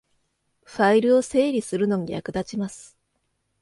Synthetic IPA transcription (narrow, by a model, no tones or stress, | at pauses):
ɸaiɾɯ̟o̞se̞ːɾʲisɨɾɯ̟no̞ɲ̟ija̰kɯ̟d̪at͡ɕimasɨ̥